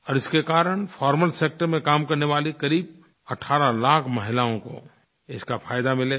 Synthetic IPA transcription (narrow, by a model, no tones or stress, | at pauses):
ɔːɾɪskekaːɾəɽ̃fʰɔːɾməlseːk̚ʈəɾmẽkaːmkɐɾneʋaːlikɐɾiːb̚ | ɐʈʰaːɾalaːkʰmɐɦɪlaːõko̰ | ɪskafaːjd̪amɪleː